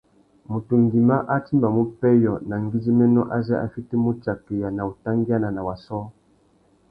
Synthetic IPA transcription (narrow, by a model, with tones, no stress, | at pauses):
mu˨tu˨ŋɡi˨ma˦ʔa˦ti˦mba˨mu˦pɛ˦jɔ˨na˨ŋɡi˦zi˦mɛ˦nɔ˦ʔa˦za˦ʔa̰˨fi˦ti˦mu˦t͡ʃa˨kɛ˨ja˨na˨u˨ta˦ŋɡi˦a˦na˨na˨wa˨sɔ˦